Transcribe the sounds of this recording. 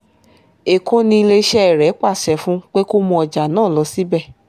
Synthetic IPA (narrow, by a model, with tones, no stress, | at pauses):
e˨kõ˦nĩ˧˦i˧le˧˦ʃɛ˦ɛ˨ɾɛ˨˦k͡pa˦˨sɛ˨˦fũ˦k͡pe˦ko˦mɔ̃˧ɔ˨d͡ʒa˨nãː˦˨lɔ˨˦si˦bɛ˦˨